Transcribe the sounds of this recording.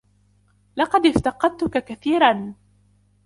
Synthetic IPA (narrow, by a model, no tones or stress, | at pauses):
lɑqɑd̪ɪft̪ɑqɑd̪̚t̪ʊkakaθiːɾan